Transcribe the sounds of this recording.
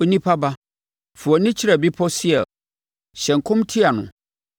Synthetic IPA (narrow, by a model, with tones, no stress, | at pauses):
o˦nĩ˦pʰa˦ba˦ | fu˨ɔ˨nɪ̃˦t͡ɕʰɪ˦ɾa˨bi˦pʰɔ˦si˦ɛ˨ | ɕɛ̃˨ŋkʰʊ̃˦mtʰi˦a˨nʊ̰̃˨